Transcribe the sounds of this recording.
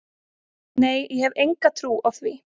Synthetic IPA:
neːjjɛhɛvejŋkat̪ʰɾuːawθviː

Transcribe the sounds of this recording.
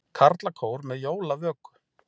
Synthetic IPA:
kʰaɾt̪lakʰoːwɾmɛðjoːwlavœːkʏ̥

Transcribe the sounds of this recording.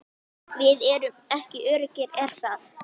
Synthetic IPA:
vɪðɛɾʏmɛhcɪʔœːɾɪcɪɾɛr̥θaθ

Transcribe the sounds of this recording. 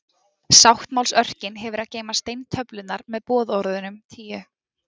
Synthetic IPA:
sawht̪mawlsœr̥cɪnɦɛvʏɾaðceːjmast̪ejnt̪ʰœplɪt̪naɾmɛðpɔːðɔɾðʏnʏmt̪ʰiːʏ

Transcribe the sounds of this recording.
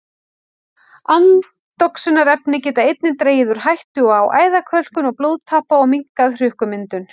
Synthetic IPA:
an | t̪ɔksʏnaɾɛpnɪcɛːt̪aejt̪nɪnt̪ɾeːjɪðʏɾ̥ɦajht̪ʏɔaːwʔa̰ːjðakʰvœl̥kʏnɔɣploːwðt̪ʰaːhpaɔɣmiŋkaðr̥ʏhkʏmɪnt̪ʏn

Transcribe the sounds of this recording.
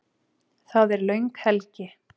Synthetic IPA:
θaðɛɾlœɥŋkhɛlcɪ

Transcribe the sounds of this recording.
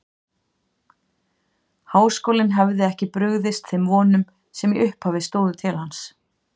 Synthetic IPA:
haːwskoːwlɪnɦɛvðɪɛhcɪpɾʏɣðɪst̪θemvɔːnʏm | sɛmiʔʏhphavɪst̪oːwðʏt̪ʰɪlhans

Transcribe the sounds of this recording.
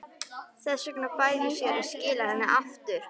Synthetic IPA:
θɛsʏknakaːjvɪsjɛɾascɪːlaðɛnːɪʔaft̪ʏɾ̥

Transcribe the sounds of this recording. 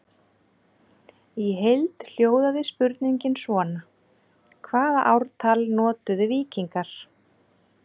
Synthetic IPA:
iɦejlt̪l̥joːwðaðɪspʏɾt̪niɲcɪnsvɔːna | kʰvaːða̰ʔawɾt̪ʰalnɔːt̪ʏðɪviːciŋkaɾ̥

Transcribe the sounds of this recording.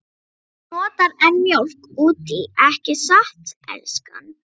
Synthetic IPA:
nɔːt̪aɾɛnmjowlkuːt̪iɛhcɪsaht̪ɛ̰lska̰n

